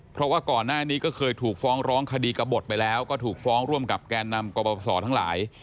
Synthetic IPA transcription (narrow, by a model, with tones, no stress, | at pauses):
pʰɾɔ˦˥waː˥˩kɔː˨˩nːaː˥˩niː˦˥kɔː˥˩kʰɤː˧jt̪ʰuː˨˩k̚fɔː˦˥ŋɾɔː˦˥ŋkʰa˧diː˧ka˧bo˨˩t̪̚pa˧jlɛː˦˥wkɔː˥˩t̪ʰuː˨˩k̚fɔː˦˥ŋɾu˥˩əmka˨˩p̚kaː˧nːa˧mkoː˧pɔ˧sɔː˩˦t̪ʰa˦˥ŋla̰ː˩˦j